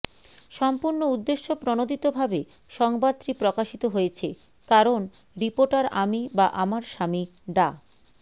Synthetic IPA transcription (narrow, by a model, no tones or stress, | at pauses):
ʃɔmpuɾnoud̪ːeʃːopɾonod̪ʱit̪obʱabe | ʃɔŋbad̪̚t̪ːɾipɾokaʃit̪oɦoet͡ɕʰe | kaɾon | ɾipoɾʈaɾamibaʔamaɾʃami | ɖa